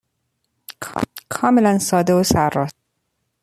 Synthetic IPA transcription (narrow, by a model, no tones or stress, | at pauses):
kʰkʰɒːmelænsɒːd̪eosæɾːɒːt̪̚